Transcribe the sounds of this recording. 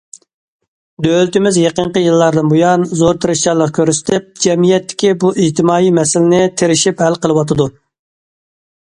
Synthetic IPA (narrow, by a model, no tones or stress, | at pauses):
d̪ølt̪ɪmɪzjeqəɴqəjɨlˠːɑɾd̪ɨnbujɑnzoɾt̪ʰɨɾɪʃt͡ʃɑlˠːəqkʲøɾsɪ̥t̪ʰɪp̚d͡ʒɛmijɛt̪ːɪ̥kʲibuʔid͡ʒt̪ɪmɑːimɛsɪlɪnɪt̪ʰeɾɪʃiphɛlqəlˠɨwɑt̪ʰɨd̪u